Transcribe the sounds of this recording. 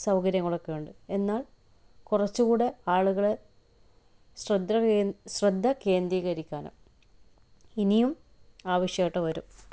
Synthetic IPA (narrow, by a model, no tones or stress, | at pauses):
sɐwɡɐɾjɐŋːɐɭo̞kːe̞juɳɖɨe̞nːaːɭ | kurɐt͡ɕːukuːɽe̞aːɭuɣɐɭe | ɕrɐd̪ʱːɐɕrɐd̪ʱːɐke̞ːnd̪iːɣɐɾikʲːaːnɨ̰ | inijum | aːʋɐɕjɐɐʈːɐʋɐɾum